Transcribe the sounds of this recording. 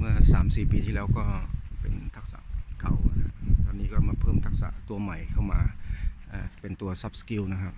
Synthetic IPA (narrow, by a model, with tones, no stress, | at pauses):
mɯ˥˩ɐsaː˩˦msiː˨˩piː˨˧t̪ʰiː˥˩lɛː˦˥˩wkɔː˥˩pe˨nt̪ʰa˦˥k̚sa̰˧˦ʔka˨˩wkʰa˧˥t̪aː˧˩niː˦˥˩kɔː˥˩maː˧˩pʰɤː˧˩mt̪ʰa˦˥k̚sa̰˧˦ʔt̪u˧ɐma˨˩jkʰa˥˩wmaː˧ʔaː˧˩pe˨nt̪u˨˧ɐsa˦˥p̚sə̥˧ki˧˥˨wna˦˥˩kʰa˧˥p̚